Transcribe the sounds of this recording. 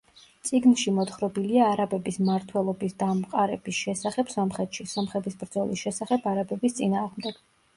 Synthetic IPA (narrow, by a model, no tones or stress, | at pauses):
t̪sʼiɡnʃimɔt̪χɾɔbiliaːɾabɛbismaɾt̪ʰwɛlˠɔbisd̪amqʼaɾɛbisʃɛsaχɛbsɔmχɛt̪ʰʃisɔmχɛt̪ʰisbɾd̪zɔlˠisʃɛsaχɛbʰaɾabɛbist̪sʼinaːʁmd̪ɛɡ̥